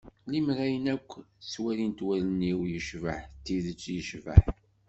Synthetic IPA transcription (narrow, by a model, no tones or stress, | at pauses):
limɾæjənækʷːswæɾint̪wæləniwjəʃvə̰ħt̪ːiðət͡sːjəʃvə̰ħ